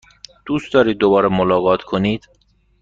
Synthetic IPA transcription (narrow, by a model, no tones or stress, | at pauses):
d̪̥uːst̪ɒːɾiːd̪ːobɒːɾemolɒːɣɒːt̪ʰkʰoniːd̪̥